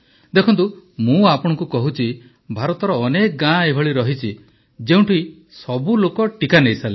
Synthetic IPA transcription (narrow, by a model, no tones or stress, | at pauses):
d̪ekʰɔnt̪umũapɔɽ̃ɔ̃ŋkukɔɦut͡ʃʰi | bʱaɾɔt̪ɔɾɔːnek̚ɡãebʱɔɭiɾɔɦit͡ʃʰi | d͡ʒeũʈʰi | sɔbulokɔʈikanejsale